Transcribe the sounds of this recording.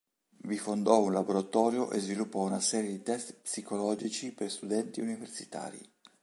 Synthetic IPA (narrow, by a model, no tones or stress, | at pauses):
vifond̪ɔunlaboɾat̪ɔːɾjoʔezvilupːɔunasɛːɾjed̪it̪ɛst̪psikolɔːd͡ʒit͡ʃiperst̪ud̪ɛnt̪iuniversi̥t̪a̰ːɾḭ